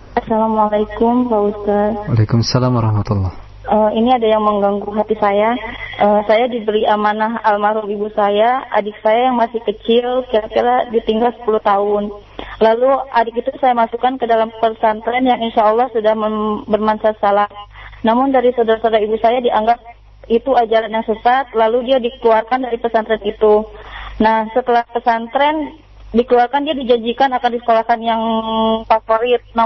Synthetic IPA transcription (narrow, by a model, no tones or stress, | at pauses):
ʔasalamalakʊmlaust̪at̚alekumasalamaɾɑhmat̪ulːɑh | ʔəiniadajaŋməŋɡaŋɡuɦat̪isajaʔəsajadibəɾiʔamanaɦalmaɾulibusajaʔa̰dɪk̚sajajaŋmasɪhkət͡ʃɪlkiɾakiɾadit̪iŋɡalsə̥puluht̪aʊn | laluʔadɪkit̪usajamasukankədalampərsant̪aanjaŋinʃaːlˠːɑhsudahməbərmansasalahnamʊndaɾisadaɾasadaɾaibusajadiʔaŋɡap̚ | it̪uad͡ʒalanjaŋsəsat̪̚laludiadikəluarkandaɾipəsant̪ɾɛnit̪unahsət̪əlahpəsant̪ɾɛn | dikəluarkandiadid͡ʒaɲd͡ʒikanakandisə̥kolahkanjaŋfafoɾɪt̪̚na